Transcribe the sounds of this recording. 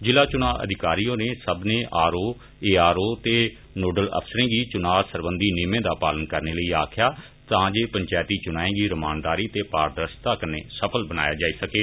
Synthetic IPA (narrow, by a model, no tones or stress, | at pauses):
d͡ʒɪlaːt͡ʃʊnaːʔə̰d̪ʱɪkaːɾijõːneːsəbneːʔaːɾoː | eːaːɾoːt̪eː | noːɖələ̰pʰsəɾẽːɡiːt͡ʃʊnaːsəɾbənd̪iːnɪːmẽːd̪aːpaːlənkəɾneːləiːa̰ːkʰɪjaː | t̪ãːd͡ʒeːpəɲt͡ʃaːjt̪iːt͡ʃʊnaːẽːɡiːɾəmaːnd̪aːɾiːt̪eːpaːɾd̪əɾəst̪aːkənːḛːsəpʰəlbəna̰ːjaːd͡ʒaːiːsəkeː